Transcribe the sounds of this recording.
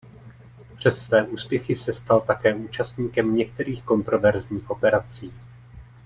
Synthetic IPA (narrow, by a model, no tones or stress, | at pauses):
pr̝̥ɛsːvɛːʔuːspjɛxɪsɛst̪alt̪akɛːʔuːt͡ʃast̪ɲiːkɛmɲɛk̚t̪ɛɾiːxko̞nt̪ɾo̞vɛɾzɲiːxʔo̞pɛɾat͡siː